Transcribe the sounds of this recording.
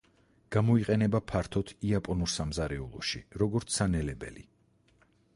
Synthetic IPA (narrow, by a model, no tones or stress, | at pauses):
ɡ̥amɔiqʼɛnɛbapʰaɾt̪ʰɔt̪ʰiapʼɔnuɾsamzaɾɛṵlˠɔ̰ʃḭɾɔɡɔɾt̪sʰanɛlɛbɛ̰li